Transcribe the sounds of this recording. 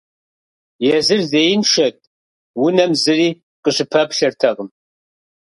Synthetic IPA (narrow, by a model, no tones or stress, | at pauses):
jɛzɨrzejɪnʂɐtʼ | wʊnɐmzɨriː | qəɕɨpʰɐpɬɐrtʰɐʁəm